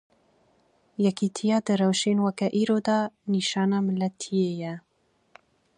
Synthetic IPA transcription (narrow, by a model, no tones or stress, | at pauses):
jɛkiːt̪ʰijɑːd̪ɨɾɛwʃenwakɛʔiːɾod̪ɑːniːʃɑːnɑːməlɛt̪ʰːijejɛ